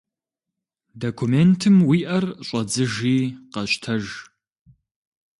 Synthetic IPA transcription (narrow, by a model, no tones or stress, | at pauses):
dokʰumeːntʰɨmwiːʔɐrɕʼɐd͡zɨʒiːqɐɕtʰɐʒ